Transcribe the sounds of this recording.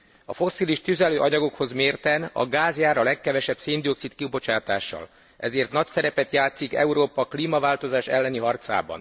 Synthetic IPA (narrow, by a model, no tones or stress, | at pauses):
ɒfo̞sːiliʃt̪yzɛløːʔɒɲɒɡo̞kho̞zmeːrt̪ɛnɒ̰ɡaːzjaːɾɒlɛkːɛvɛʃɛbseːnd̪io̞ksit̪kibo̞t͡ʃaːt̪aːʃːɒ̰l | ʔɛzeːrt̪nɒcsɛɾɛpɛt̪jaːt̪sikɛ̰uɾoːpɒkliːmɒvaːlt̪o̞zaːʃɛlːɛniɦɒrt̪sa̰ːbɒ̰n